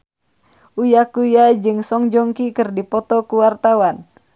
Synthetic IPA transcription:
ʔujakujad͡ʒɨŋsɔŋd͡ʒɔŋkikɨrdipɔt̪ɔkuwart̪awan

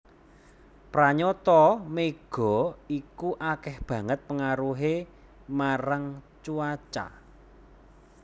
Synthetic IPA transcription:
pɾaɲot̪ɔmeɡ̥ɔ̤ikuʔakɛhb̥ä̤ŋət̪̚pəŋaɾuɦe | maɾaŋ | t͡ʃuat͡ʃa̰

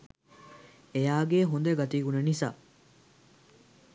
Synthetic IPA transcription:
ejaːɡeːɦund̪eɡɐt̪iːɡunɐnisa̰ː

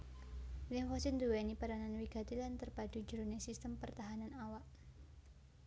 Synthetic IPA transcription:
lɪŋfasind̪uwɛnipaɾananwiɡ̥a̤t̪ilant̪ərbadud͡ʒuɾunesist̪əmpərt̪aɦananawaʔ

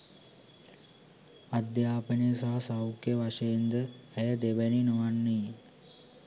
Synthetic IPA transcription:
ad̪jaːpəneəsaɦɐsawkeʋaʂeend̪əːjəd̪ebəninoʋanːi

